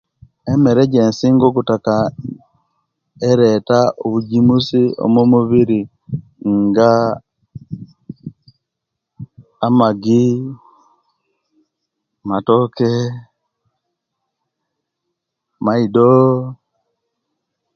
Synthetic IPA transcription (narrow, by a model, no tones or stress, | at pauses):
emeɾeɟensiŋɡokutaka | eɾetaoβuɟimusio̰momuβiɾi | ŋɡa | amaɡi | matoke | maido